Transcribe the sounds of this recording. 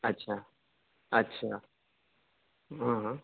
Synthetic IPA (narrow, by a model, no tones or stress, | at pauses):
ɐtːɕʰaː | ɐtːɕʰaː | ɦãɦ